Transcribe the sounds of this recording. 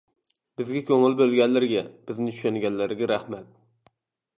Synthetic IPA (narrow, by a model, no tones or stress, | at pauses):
b̥ɪzɡʲɛkʲʰøŋɪlbølɡʲɛlːɪɾɪɡʲɛb̥ɪznɪt͡ʃʰy̥ʃɛnɡʲɛlːɪɾɪɡʲɛɾæhmɛt̪̚